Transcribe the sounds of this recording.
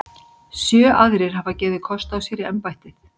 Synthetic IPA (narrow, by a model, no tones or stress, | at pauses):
sjœːʔaðɾɪɾ̥ɦavacɛːðɪkʰɔst̪awsjɛːɾiɛmpajht̪ɪθ